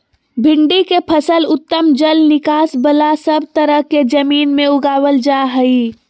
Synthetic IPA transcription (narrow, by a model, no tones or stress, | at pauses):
bʱɪɳɖikepʰəsəlʊt̪ːəmd͡ʒəlnɪkaːsbəlasəb̚t̪əɾəɦked͡ʒəmiːnmẽʊɡaːwəld͡ʒaɦəi